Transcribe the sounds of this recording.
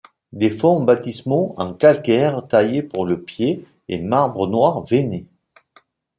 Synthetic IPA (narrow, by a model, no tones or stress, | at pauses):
d̪efɔ̃bat̪ismɔ̃ɑ̃kalkɛʁt̪ajepuʁləpjḛː | maʁbʁənwaʁvene